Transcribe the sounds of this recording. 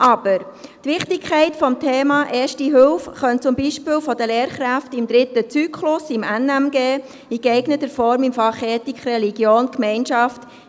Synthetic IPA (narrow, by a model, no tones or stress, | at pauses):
ʔɑb̥əɾtʋɪχtɪkkʰɛɪtfɔmtʰeːmɑːʔɛːʃtiɦʏlfχœnt͡sʊmbiːʃpɪːlfɔdəleːɾχɾæftɪmd̪ɾɪt̪ət͡syːkχlʊsɪmænæmɡeː | iɡɛɪɡnət̪əɾfɔɾmimfɑχeːtikχrɛliɡjoːnkmɛɪnʃɑft